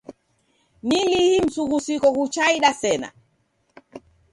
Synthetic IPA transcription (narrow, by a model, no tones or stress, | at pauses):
nilihim̩suɣusikɔkut͡ʃaiɗasɛna̰